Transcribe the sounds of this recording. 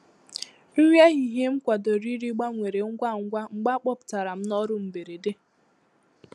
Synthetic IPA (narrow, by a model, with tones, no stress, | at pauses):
ŋ̩˦ŋʷ˦e˦ɦi˨ɦe˦ŋ͡m̩˦kʷa˨do˨ɾi˦ɾi˦ɡ͡ba˦ŋʷe˨ɾe˨ŋ̩˦ɡʷa˦˨ŋ̩˦ɡʷa˦ŋ͡m̩˨˦ɡ͡ba˦k͡pɔ˦˨pʊ̥˨ta˨ɾa˨m̩˦nɔ˦ɾʊ˦m̩˨be˨ɾe˨de˦